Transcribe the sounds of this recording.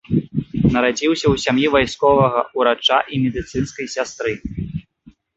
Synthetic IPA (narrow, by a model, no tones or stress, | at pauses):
nɐɾad͡zʲiwsʲɐwsʲamjivajskɔvɐɣɐuɾat͡ʂaʔimʲɛd̪ɨt̪sɨnskɐjsʲast̪ɾɨ